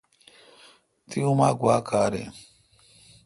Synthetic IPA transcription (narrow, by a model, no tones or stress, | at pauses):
tiumaɡwakʰaɾḛ